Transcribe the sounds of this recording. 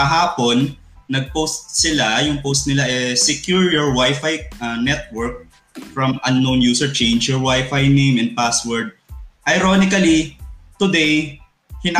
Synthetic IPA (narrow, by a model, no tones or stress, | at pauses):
ɐɦaːponː | ɐɡ̚powst̪̚sɪlajʊŋpost̪̚nɪlaʔɛsɛkjuɹjɔɹwajfajɐnɛt̪̚wɛɹk̚ | fɹɐ̃mɐnːownjuːsɛɹt͡ʃẽjnd͡ʒjɔɹwajfajnẽjmɛ̃nd̪̚paswɛɹd̪̚ʔɐjɾonɪkɐlit̪ʊd̪ɛj | hɪn